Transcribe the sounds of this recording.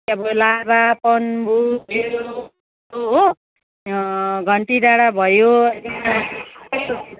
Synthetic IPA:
abolabapʌnbʱue | oɦo | ɡʱʌɳʈidaɽabʱʌjoeka

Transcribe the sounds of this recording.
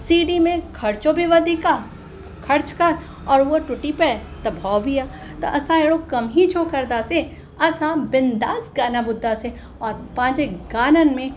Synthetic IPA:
siːɖimẽkʰɐɾt͡ʃobʱiʋɐd̪ika | kʰɐɾt͡ʃkɐɾ | ɔːɾʋoʈʊʈipɛt̪ɐbʱaːbʱijaː | t̪ɐʔɐsãeːɽokɐmɦit͡ʃʰoːkɐɾd̪aːse | ɐsãbɪnd̪aːsɡaːnabʊd̪ʱːase | ɔːɾpãːd͡ʒeɡaːnənmẽ

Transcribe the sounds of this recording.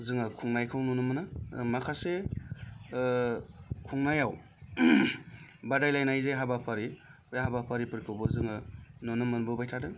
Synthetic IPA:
zɯŋɯkʰuŋnajkʰɯwnunumɯnɯmakʰase | kʰuŋnajaw | badajlajnajzeɦabapʰaɾiujaɦabapʰaɾipɯɾkʰɯwbɯzɯŋɯnunumːɯnbɯbajtʰadɯ

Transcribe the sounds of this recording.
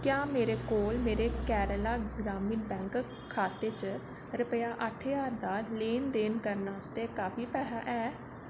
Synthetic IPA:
kjaːmeːɾeːkoːlmeːɾeːkɛːɾəlaːɡɾaːmiːnbɛ̃ːŋk | kʰːaːt̪eːt͡ʃə | ɾəpəjaːʔəʈʰjaːɾd̪aːleːnd̪eːnkəɾnaːst̪eːkaːfiːpɛːɦaːʔɛː

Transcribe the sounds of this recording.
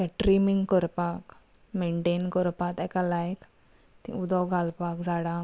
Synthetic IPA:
t̪aʈɾimiŋɡkəɾpak | meɳʈenkəɾpat̪ɛkalajk | t̪ḭ̃ud̪ɔwɡʱalpakd͡zaɽã

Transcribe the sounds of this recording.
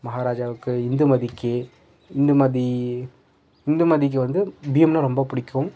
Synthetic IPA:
mɐɦaːɾaːd͡ʒaːʋɯkːɯɪnd̪ɯmɐðikːɯ | ɪnd̪ɯmɐði | ɪnd̪ɯmɐðɪk̬ːɯʋɐnd̪ɯbiːɐmnãɾɔmbɐpʊɽɪkːʊ̃m

